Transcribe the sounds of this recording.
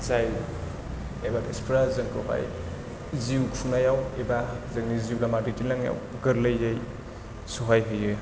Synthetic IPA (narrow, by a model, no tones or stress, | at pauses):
zajl | ebadespʰɾazɯŋkʰɯɦa̰j | ziukʰunajawebazɯŋniziulamaditilaŋja̰wɡɯɾləjej | suɦajɦɯjɯ